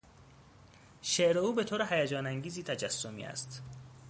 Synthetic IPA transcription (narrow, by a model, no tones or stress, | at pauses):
ʃeʔɾeuːbe̞t̪ʰoːɾeɦæjæd͡ʒɒːnæŋɟiːziːt̪ʰæd͡ʒæsːomḭːæ̰st̪